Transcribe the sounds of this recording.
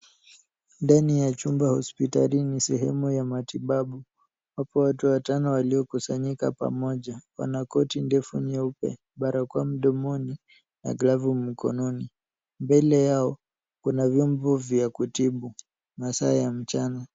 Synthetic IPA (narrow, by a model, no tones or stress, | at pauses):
ndanijat͡ʃumbahɔspitalinisɛɦɛmujamatiɓaɓu | wapɔwatuwatanɔwaliɔkusaɲikapa̰mɔʄawa̰nakɔtindɛfuɲɛupɛ̰ | ɓaɾakwam̩ɗɔmɔni | na̰ɡlavum̩kʰɔ̰nɔni | mbɛlɛjaɔ | kunavjɔmbɔvjakutiɓu | masaːjam̩t͡ʃana